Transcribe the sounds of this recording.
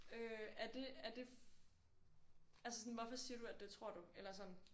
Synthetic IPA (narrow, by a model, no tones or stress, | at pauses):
øæɐd̥e̝æɐd̥e̝f | ælsə̥sɒ̽nʋɒfɒ̽siːɐd̥uæd̥̚d̥e̝t͡sʰʁo̝ɐ̰d̥uelɐsɒ̽n̰n̩